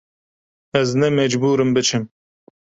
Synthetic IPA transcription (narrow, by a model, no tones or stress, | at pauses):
ɛznɛmɛd͡ʒbuːɾɨmbɨt͡ʃʰɨm